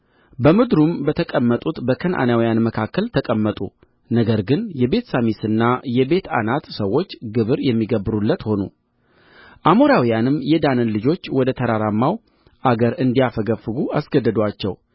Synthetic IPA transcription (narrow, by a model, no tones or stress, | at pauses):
bəmɨd̪ɾumbət̪ʰəkʼəmːət̪ʼut̪bəkʰənʔa̰nawijanməkʰakːəlt̪ʰəkʼəmːət̪ʼṵ | nəɡəɾɡɨnjɛbe̞t̪samisɨnːajɛbe̞t̪a̰nat̪səwːo̞t͡ʃːɡɨβɨɾjɛmːiɡəbɨɾulːət̪ho̞nṵ | ʔamo̞ɾawijanɨmjɛd̪anɨnlɨd͡ʒo̞t͡ʃːwɔd̪ət̪ʰəɾaɾamːaw | ʔaɡəɾɨnd̪ijafəɡəfːɨɡuasɡəd̪ːəd̪at͡ʃːɛw